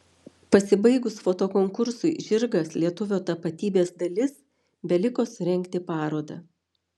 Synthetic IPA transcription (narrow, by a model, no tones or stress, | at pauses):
pɐsʲɪbɐɪɡʊsfoːt̪oːkoːŋkʊɾsʊɪʒʲɪɾɡɐslʲiɛt̪ʊʋʲoːt̪ɐpɐt̪ʲiːbʲeːsd̪ɐlʲɪs | bʲɛlʲɪkoːsɾʲɛŋʲˑkt̪ʲɪpɑːɾoːd̪ɐ